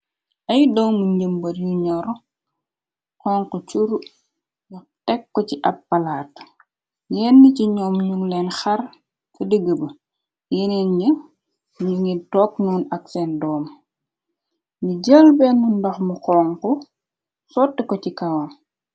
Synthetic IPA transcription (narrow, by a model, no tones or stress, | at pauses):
ʔɐjdɔːŋmuɲɟəmbɐɾjuɲɔɾ | xɔːŋkɔt͡ʃuɾu | nɐ | tɛkːɔciʔɐpːɐlaːt | jɛːnːiciɲɔːmɲuŋlɛnxɐr | kədəɡəbə | jenɛnɲə | ɲuŋitɔknuːnɐk̚sɛndɔːm | ɲuɟəlbɛnːundɐxmuxɔːŋkɔ | sɔtːəkɔcikɐwɐm